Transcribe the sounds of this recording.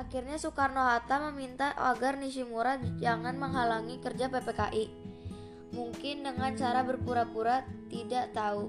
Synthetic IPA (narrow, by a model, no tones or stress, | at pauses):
ʔakirɲasukarnoɦat̪aməmint̪aa̰ɡarniʃimuɾad͡ʒaŋanməŋɦalaŋikərd͡ʒapepekaʔi | muŋkɪndəŋant͡ʃaɾabərpuɾapuɾat̪idaʔt̪au